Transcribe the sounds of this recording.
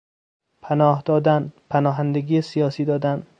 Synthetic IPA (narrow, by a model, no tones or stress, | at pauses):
pʰænɒːhd̪ɒːd̪ænpʰænɒːɦænd̪eɡiːesijɒːsiːd̪ɒːd̪æn